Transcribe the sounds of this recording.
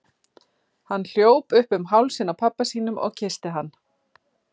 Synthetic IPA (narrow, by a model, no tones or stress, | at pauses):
hanːl̥joːwpʏhpʏmɦawlsɪnːapʰapːasiːnʏmʔɔ̰ɣcʰɪst̪ɪɦanː